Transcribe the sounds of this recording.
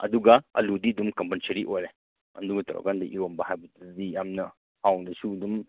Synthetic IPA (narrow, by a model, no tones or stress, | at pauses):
ɐ̰d̪uɡaʔɐ̰ludid̪umkɐmpənsəɾiʔojɾe | ɐ̰nduɡɐt̪ɐɾɔ̰kandɐʔiɾombaɦajbətdijamnɐ | awŋdɐsudum